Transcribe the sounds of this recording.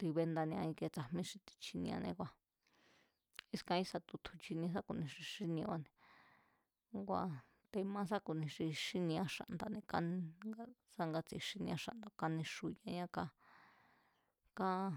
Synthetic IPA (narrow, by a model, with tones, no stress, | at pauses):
t̪i˧βe˧nd̪a˧nĩ˧ã˧i˧ke˧t͡sa˧mĩ˦ʂi˧t̪i̥˧t͡ʃi˧nḭ̃˧ã̰˧nḛ̃˧kʷa˧ | i˦skã˧ĩ˦sa˧t̪u˧t̪ʰu˧t͡ʃi˧nĩ˧˦sa˦ku˧nĩ˧ʂi˧ʂi˦nĩ˧wa˧nẽ˧ | kʷa̰˧ | t̪e˧i˧mãː˦s̬a˦ku˨nĩ˧ʂi˧ʂi˦nĩ˧ã˧ʂa̰˧ʔnd̪a˧nẽ˧ka˦ñ˧a˧ | sa˦ŋɡa˧t͡si˧ʂi˧nĩ˧ã˧ʂã̰˧˨nd̪o˨˧ka˧nĩ˧ʂu˧ɲã˧ɲã˦ka˧˦ | ka˦